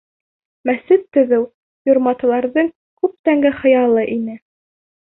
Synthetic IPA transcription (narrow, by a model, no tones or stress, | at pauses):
mæsɘt̪ːɵ̆ðɘw | jŏɾmɑt̪ɤ̆lˠɑɾðɤŋ | kʉp̚t̪æŋɡɘχɤ̆jɑlˠɤʔinɘ